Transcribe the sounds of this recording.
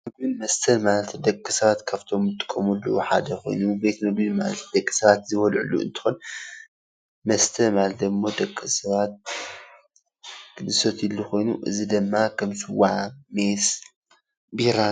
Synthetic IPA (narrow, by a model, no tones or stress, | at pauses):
mɨɡbɨnmɐst̪ʰɐlmalɐt̪d̪ɐkʼːɨsɐβat̪kʰaft̪ʰo̞mːɨt̪ʼɨ̥kʼːɐmulːuħa̰d̪ɐxʰo̞̰jnube̞t̪mɨɡbimalɐt̪d̪ɐkʼːi̥sɐβat̪zɨwɐlʕṵlːuɨ̰nt̪ʰɨ̥xun | mɐst̪ʰɐmalt̪d̪ɨmːod̪ɐkʼːɨsɐβat̪̚ | ɡɨd̪ɨsot̪ilːuxʰo̞jnuʔɨzid̪ɨmːakʰɐmsɨwaʕmes | biɾa